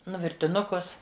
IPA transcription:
ˈnʊ ʋʲɪrʲtʲɪˈnʊkʊs

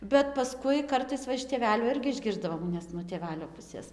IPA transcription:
bʲɛt pɐˈskʊɪ ˈkɐrtɐɪs ˈʋɐ ɪʃ tʲeːˈʋʲæːlʲuː ˈɪrʲɡʲɪ ɪʒʲˈɡʲɪrzdɐʋoːm nʲɛs nuɔ tʲeːˈʋʲæːlʲoː ˈpʊsʲeːs

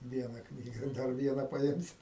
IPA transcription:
ˈʋʲiɛnɐ ˈknʲiːɡɐ ˈdɐr ˈʋʲiɛnɐ pɐˈɪmʲsʲɪ

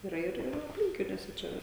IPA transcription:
iːˈrɐ ɪr ɪr ɐpʲˈlʲɪŋʲkʲɪnʲuɔsʲɛ ˈt͡ʃʲɛ ʋɐ

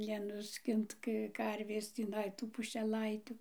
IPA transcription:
nʲɛnʊˈsʲkʲɪnt ˈkə ˈkɐrʲʋʲeːs tʲiːˈnɐɪ ˈtuː pʊʃʲɛˈlˠɐɪtʲʊ

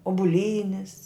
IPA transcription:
ʊbʊˈlʲiːnʲɪs

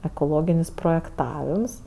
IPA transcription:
ɛkoːˈlˠoːɡʲɪnʲɪs proːjɛkˈtɑːʋʲɪms

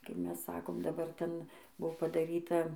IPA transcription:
kɐɪ ˈmʲɛs ˈsɑːkoːm dɐˈbɐr ˈtʲɛn ˈbʊʋoː pɐdɐˈrʲiːtɐ

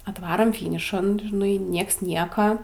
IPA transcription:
ɐtˈʋɑːroːm ˈfʲiːnʲɪʃɐn ʒʲɪˈnɐɪ ˈnʲiɛks ˈnʲiɛkɐ

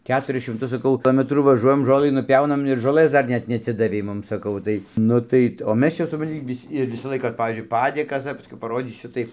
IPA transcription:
ˈkʲæːtʊrʲɪs ʃʲɪmˈtʊs sɐˈkɐʊ ˈoːmʲɛtruː ʋɐˈʒuɔjɛm ˈʒoːlˠɨ nʊˈpʲɛʊnɐm ɪr ʒoːˈlˠɘs ˈdɐr ˈnʲɛt nʲɛɐtʲˈsʲɪdɐʋʲɛɪ ˈmʊm sɐˈkɐʊ ˈtɐɪ ˈnʊ tɐɪ oː ˈmʲɛs ˈt͡ʃʲɛ sʊprɐnʲˈtʲɪ ˈʋʲɪsʲ ɪr ˈʋʲɪsɑː ˈlˠɐɪkɑː ɪr ˈpɑːʋʲiːzʲd͡ʒʲʊɪ ˈpɑːdʲeːkɐs dɐr pɐˈsʲkʲɛʊ pɐˈroːdʲiːsʲʊ ˈtɐɪ

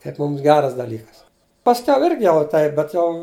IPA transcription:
kɐɪp ˈmʊms ˈɡʲæːrɐs dɐˈlʲiːkɐs pɐsʲˈkʲɛʊ ˈɪrʲɡʲɪ ˈjɛʊ ˈtɐɪp bʲɛt ˈjɛʊ

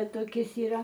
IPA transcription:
toːˈkʲɪs iːˈrɐ

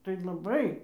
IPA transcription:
tɐɪ lˠɐˈbɐɪ

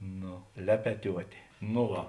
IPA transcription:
ˈnoː ˈlʲæːpʲɛtʲuɔtʲeː noː ˈʋɐ

